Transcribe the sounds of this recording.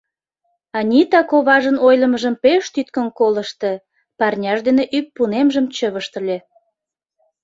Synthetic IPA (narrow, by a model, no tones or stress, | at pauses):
ɑnʲit̪ɑkoβɑʒənojləməʒəmpeʃt̪yt̪kənkoləʃt̪e | pɑrnʲɑʃd̪eneʔyk̚pːunemʒəmt͡ɕəβəʃt̪əlʲe